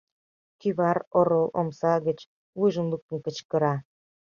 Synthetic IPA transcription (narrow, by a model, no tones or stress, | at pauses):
kyβɑroɾolˠʔo̰msɑɣə̆t͡ɕ | lujʒə̆nluk̚t̪ə̆nkə̆t͡ɕkə̆ɾɑ